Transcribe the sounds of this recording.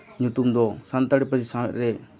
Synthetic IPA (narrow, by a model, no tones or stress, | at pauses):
ɲut̪umd̪ɔsant̪əɽɛpəd͡ʒisamɛ̰t̪ɾɛ